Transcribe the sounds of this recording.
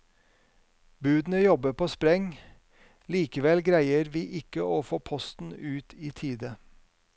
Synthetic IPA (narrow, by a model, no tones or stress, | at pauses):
bʉːd̪n̩əjɔbəpʰoːspɾɛŋ | liːkəʋɛlɡɾæɪəɾʋiːʔɪkəoːfoːpʰɔst̪n̩ʉːt̪ʰiːt̪ʰiːd̪ə